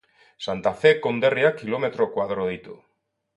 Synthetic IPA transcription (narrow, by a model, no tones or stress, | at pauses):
sant̪afekond̪erjakilomet̪ɾokwaðɾoðit̪o